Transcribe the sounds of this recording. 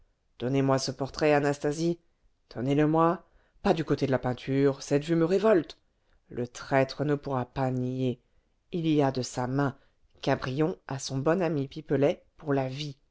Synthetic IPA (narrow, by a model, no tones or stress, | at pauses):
d̪̥ɔnemwasəpɔʁt̪χɛanast̪azi | d̪̥ʰɔneləmwa | pad̪ykot̪ed̪əlapɛ̃t̪ʰyʁsɛt̪vyməʁevɔlt̪ | lət̪χɛt̪χənəpuʁapanije | iliad̪əsamɛ̃ | kabʁijɔ̃asɔ̃bɔnamipipəlɛpuʁlavi